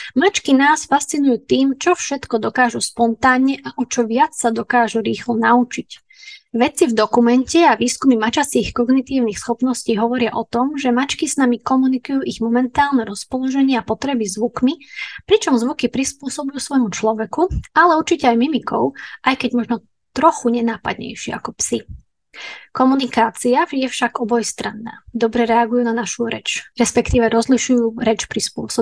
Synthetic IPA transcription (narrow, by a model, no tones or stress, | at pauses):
mat͡ʃkinaːsfast͡sinujuːt̪iːmt͡ʃɔfʃɛt̪kɔd̪ɔkaːʒuspɔnt̪aːnɲɛʔaʔɔt͡ʃɔʋɪat͡ssad̪ɔkaːʒuɾiːxlɔnaut͡ʃic | ʋɛt͡sivd̪ɔkumɛncɛaʋiːskumimat͡ʃasiːxkɔɡnit̪iːʊnixsxɔpnɔsciːɦɔʋɔɾɪaʔɔt̪ɔmʒɛmat͡ʃkiznamikɔmunikujuːʔiɣmɔmɛnt̪aːlnɛɾɔspɔlɔʒɛɲɪɛapɔt̪ɾɛbizʋukmipɾit͡ʃɔmzʋukipɾispʊɔsɔbujuːsʋɔjmut͡ʃlɔʋɛkualɛuɾt͡ʃicɛajmimikɔʊʔajkɛɟmɔʒnɔ | t̪ɾɔxuɲɛnaːpa̰d̪ɲɛ̰jʃɪɛ̰akɔpsi | kɔmunikaːt͡siajɛfʃaɡɔbɔjst̪ɾanːa̰ːd̪ɔbɾɛɾɛaɡujuːnanaʃuɾɛt͡ʃɾɛspɛkt̪iːʋɛɾɔzliʃujuːɾɛt͡ʃpɾispʊɔsɔb